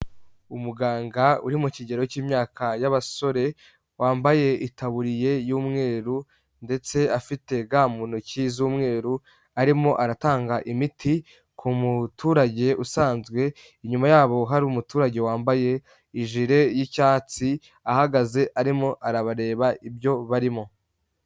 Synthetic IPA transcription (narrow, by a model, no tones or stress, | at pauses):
umuɡaːŋɡaṵɾimuciɟe̞ɾociːmɲaːkʰajaβaso̞ɾe̞ | waːmbaje̞ʔitaβuɾije̞juːmŋe̞ːɾu | nde̞t͡se̞afite̞ɡaːmunocizuːmŋe̞ːɾu | aɾimo̞ʔaɾataːŋɡaʔimitʰi | kʰumutuːɾaɟe̞ʔusaːnzɡwe̞ | iɲumajaːβo̞ɦaɾumutuːɾaɟe̞waːmbaje̞ | iʒiɾe̞jicaːt͡si | ahaɡaze̞ʔaɾimo̞ʔaɾaβaɾe̞ːβaibjo̞βaɾimo̞